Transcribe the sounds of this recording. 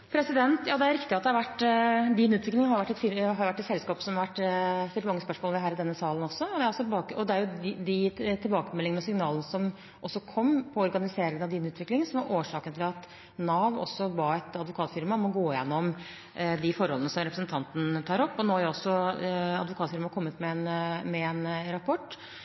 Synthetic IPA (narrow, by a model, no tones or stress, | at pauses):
pʰɾɛsɪd̪ɛnt̪jɑːd̪ɛæɾɪkt̪ɪɑt̪̚d̪ɛhɑɾʋæʈːd̪iːnʉːt̪ʋɪklɪŋhɑɾjʊʋæʈːɛt̪fɪɾɦɑɾjʊʋæʈːɛt̪sɛlskɑːpsɔmɑʋæʈ̪ːɛlmɑŋːəspœʂmoːləʋɪɦæːɾɪd̪ɛnːəsɑːlənɔsɔɔd̪ɛæɾɔsːɔbɑːkɔd̪ɛæɾjʊd̪ɪt̪ʰɪlbɑːkəmɛlːɪŋənɔsɪŋnɑːlənəsɔm | ʔɔsːɔkʰɔmːpʰɔɔɾɡɑnɪseːɾɪŋənɑʋd̪iːnʉːt̪ʋɪklɪŋsɔmʋɑɾʔoːʂɑːkənt̪ʰɪlɑt̪ | nɑːʋɔ̰sːɔbɑːɛt̪ɑd̪ʋʊkʰɑːt̪fɪɾmɑmɔɡoːɪjɛnːɔm | d̪ɪfɔɾhɔlənəsɔmɾɛpɾsnt̪ʰɑnt̪nt̪ʰɑːɾɔpːɔnoːhɑɾʊɔsːɔɑd̪ʋʊkʰɑːt̪fɪɾmɑkʰɔmːət̪mɛɛnmɛɛnɾɑpʰɔʈː